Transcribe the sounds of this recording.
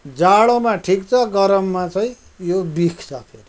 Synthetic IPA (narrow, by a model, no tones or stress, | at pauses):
d͡zaɭomaʈʰikt͡sʰʌɡʌɾʌmːat͡saĩ | jobikʰt͡sʰʌpʰeɾi